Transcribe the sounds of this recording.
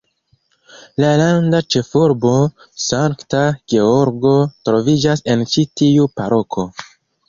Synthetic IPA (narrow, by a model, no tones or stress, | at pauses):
lalandat͡ʃe̞fuɾbo̞ | saŋktaɡ̥e̞oɾɡo̞tɾo̞vid͡ʒase̞nt͡ʃitiupaɾo̞kʰo̞